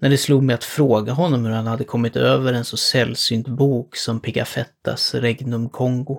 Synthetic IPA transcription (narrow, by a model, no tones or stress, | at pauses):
næɖɛsluːd̪mɛjat̪fɾoːɡaɦɔnːɔmhɵɾhanhad̪ːəkʰɔmːɪt̪øːvəɾɛnsɔsɛlːsyːnt̪buːksɔmpʰɪka̰fɛt̪ːa̰sɾɛɡnɵmkʰɔŋɡʊ